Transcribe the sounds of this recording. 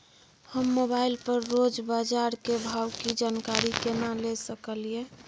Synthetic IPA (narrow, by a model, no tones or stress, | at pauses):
həmːobailpəɾːod͡ʒbad͡ʒaɾkebʱawkid͡ʒankaɾikenalesəkəlie